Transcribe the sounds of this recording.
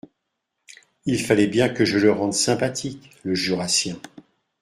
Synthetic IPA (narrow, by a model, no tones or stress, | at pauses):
ilfalɛbjɛ̃kəʒələʁɑ̃d̪sɛ̃pat̪ʰik | ləʒyʁasjɛ̃